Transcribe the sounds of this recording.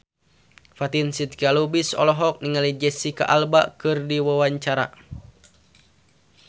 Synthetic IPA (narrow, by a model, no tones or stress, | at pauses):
fat̪insit̪̚kialubisɔ̰lɔɦɔk̚niŋalid͡ʒɛsika̰ʔalba̰kɨrdiwawaɲt͡ʃaɾa̰